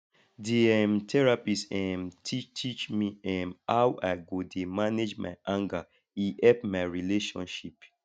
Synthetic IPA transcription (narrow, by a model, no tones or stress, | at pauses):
diɛmtʰɛɹapisɛmtitʰit͡ʃmiɛmawʔaɪɡodemaned͡ʒma̰ɪʔãŋɡa | iʔɛpmaɪɹileʃɔ̰̃nʃip